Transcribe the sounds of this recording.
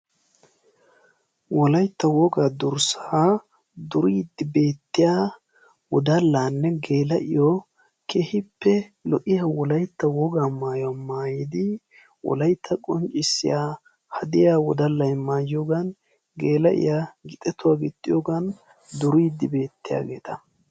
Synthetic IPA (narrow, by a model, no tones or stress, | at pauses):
wɔlɐjt̪ːɐwɔɡaːd̪ʊɾsḁa | d̪ʊɾiːd̪ːɪbe̞ːt̪ːɪja | wɔd̪ɐlːaːnːɛɡe̞ːlɐʔɪ̰jo | kʰehɪpːɛlɔʔɪjɐwɔlɐjt̪ːɐwɔɡaːmaːjʊwamaːjɪd̪ɪ | wɔ̰lɐjt̪ʰːɐkʼɔnt͡ʃʼɪsːɪ̰jaː | hɐd̪ɪjawɔd̪ɐlːɐjmaːjjoɡɐn | ɡeːlɐʔɪ̰jaɡɪt̪ʼɛt̪ʊwaːɡɪt̪ʼːɪjoɡɐn | d̪ʊɾiːd̪ːɪbe̞ːt̪ːɪja̰ːɡe̞ːt̪ɐ